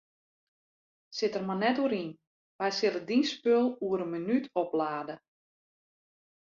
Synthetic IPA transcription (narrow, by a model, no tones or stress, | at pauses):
sɪtərmanɛtuəɾin | ʋɛjsɪlədinspølˠuəɾənmənytʰɔplaːdə